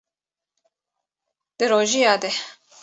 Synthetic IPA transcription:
d̪̥ɨɾoːʒijɑːd̪ɛ

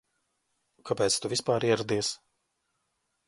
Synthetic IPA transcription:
kʰapɛːt̪st̪uvʲispaːɾiɛɾad̪iɛs

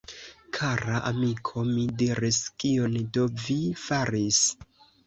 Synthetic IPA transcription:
kʰaɾaʔamikʰo̞midiɾiskiondo̞vifaɾis

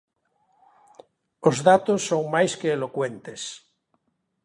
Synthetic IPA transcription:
ozðat̪osːoŋmajskeːlokwent̪es

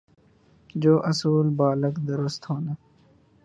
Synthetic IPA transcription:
d͡ʒoːʔəsuːlbaːləkd̪əɾʊst̪ɦoːna

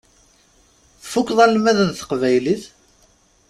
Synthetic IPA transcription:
θfukːðˤɑlmæðənθə̥qvæjliθ

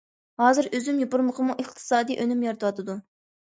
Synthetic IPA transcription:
hɑːzɨɾøzymjopʊɾməqʰəmuʔeχt̪ʰɨ̥sɑːd̪ijʔønymjɑɾɨt̪ʰwɑt̪ʰɨd̪u

